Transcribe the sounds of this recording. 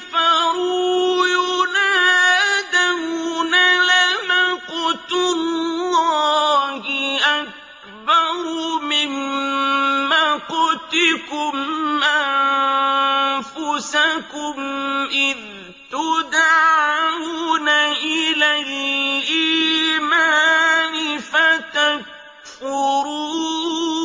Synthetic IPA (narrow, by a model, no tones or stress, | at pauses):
faɾujunahad̪awunalamaqʊt̪ʊlːaːhɪʔak̚ | bɑɾˤmɪmː | aqʊt̪ɪkʊmʔann | fʊsakʊmʔɪð | t̪ʊd̪aʕawunaʔɪlalʔiːmaːnɪfat̪ak̚ | fʊɾuː